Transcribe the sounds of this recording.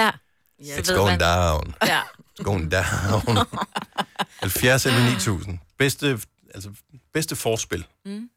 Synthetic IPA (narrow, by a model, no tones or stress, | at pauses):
ed̥soʊnd̥aɑʊn̥sɡ̥oʊ̰end̥ɑʊn | hælfjæɐselənḭːt͡sʰṵːsn̩b̥esd̥ə | æl̰səb̥esd̥əfɒːsb̥e̝l̰